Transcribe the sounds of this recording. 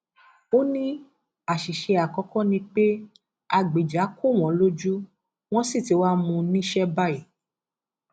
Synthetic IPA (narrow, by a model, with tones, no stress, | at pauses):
o˦nĩ˦ | a˨ʃi˨ʃe˧a˨kɔ˨˧˦kɔ̃˦nĩ˧k͡pe˦ | a˧˨ɡ͡be˨d͡ʒa˨˦ku˦˨w̃ɔ̃˨˦lo˦d͡ʒu˦ | w̃ɔ̃˦si˦˨ti˨˧˦wa˦mũ˧nĩ˦ʃɛ˦ba˦i˨